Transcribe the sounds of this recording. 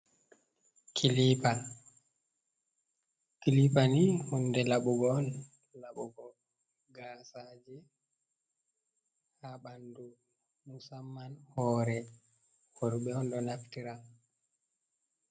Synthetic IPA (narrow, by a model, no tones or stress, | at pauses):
kʰilipa | kilipanihundɛlaɓɔɡɔːn | laɓɔɡɔ | ɡasad͡ʒɛ | haɓandu | musamːanhɔɾɛ | hoɾuɓɛɔnɗɔnaftiɾa